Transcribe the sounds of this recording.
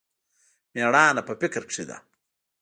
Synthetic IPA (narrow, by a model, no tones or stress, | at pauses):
meɽaːnɐpɐpikɐɾʂʰid̪ɐ̰